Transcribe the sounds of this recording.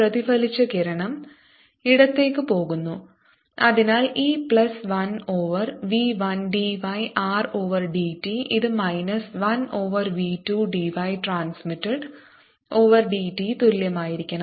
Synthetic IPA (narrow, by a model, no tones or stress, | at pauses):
rɐðifɐlit͡ɕːɐkeɾɐɳɐm | iɽɐt̪ːe̞ːkːɨpo̞ːɣunːu | ɐðinaːliːplɐsʋɐnoːʋɐrʋiːʋɐnɖiʋɐjʔaːro̞ːʋɐrɖitiʔiðɨmɐjnɐsʋɐno̞ːʋɐrʋituːɖiʋɐjʈraːnsmitːɐɖ | o̞ːʋɐrɖiːʈit̪uɾljɐmaːjiɾikʲːɐɳɐ